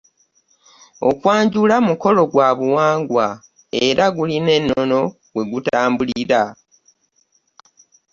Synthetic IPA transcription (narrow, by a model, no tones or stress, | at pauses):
o̞̰kwaːɲɟulamuko̞lo̞ɡwaːβuwaːŋɡwa | e̞ɾaɡuline̞nːono̞ | ɡwe̞ɡutaːmbuliɾa